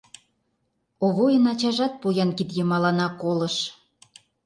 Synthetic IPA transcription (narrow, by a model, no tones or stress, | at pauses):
oβojə̆nɑt͡ɕɑʒɑt̪̚pujɑnkid̪jə̆mɑlɑnɑkolɤ̆ʃ